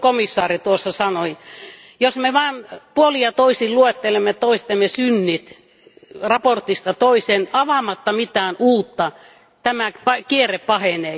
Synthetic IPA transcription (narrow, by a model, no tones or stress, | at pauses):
komisːɑːrit̪uosːɑsɑnoi | josmeʋɑːnpuolijɑt̪oisilluet̪ːelemːet̪oist̪emːesynːit̪ | rɑport̪ist̪ɑt̪oisenɑʋɑmɑt̪ːɑmit̪æːnuːt̪ːɑ | t̪æmæpɑkiereppɑheneː